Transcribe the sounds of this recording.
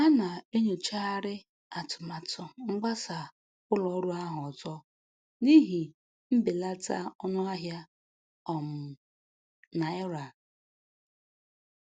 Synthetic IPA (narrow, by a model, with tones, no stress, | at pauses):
a˦na˨e˦ɲo˨t͡ʃa˦ɾɪ˦ | a˨tʊ˨ma˨tʊ˨ŋ͡m̩˦ɡ͡ba˦sa˨ | kʊ˦lɔ˨˦ɾu˦a˦ɦʊ˨ɔ˨zɔ˦ | ni˦ɦi˨ | m̩˦bɪ˨la˦ta̰˦ɔ˦nʊ˦a˦ɦja˦ | ɔ˨m̩˨ | na˨e˦ɾa˨